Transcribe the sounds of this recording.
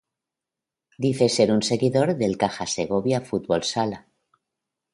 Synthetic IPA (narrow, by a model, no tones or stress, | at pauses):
d̪iθe̞se̞ɾunse̞ɣiðo̞ɾðe̞lkaxase̞ɣ̞o̞βjafut̪βo̞lsala